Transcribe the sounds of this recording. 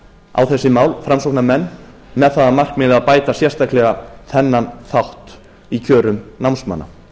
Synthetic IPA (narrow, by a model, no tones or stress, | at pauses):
a̰wθɛsːɪmaːwlfɾamsowknamɛnː | mɛðθaðamar̥kmɪðaðpaːjt̪asjɛr̥st̪aklɛɣaθɛnːanθawht̪ | icʰœːɾʏmnawnsma̰nːa̰